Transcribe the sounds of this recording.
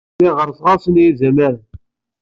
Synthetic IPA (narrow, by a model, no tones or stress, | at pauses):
iʁəɾˤsˤʁɑsnjizæməɾ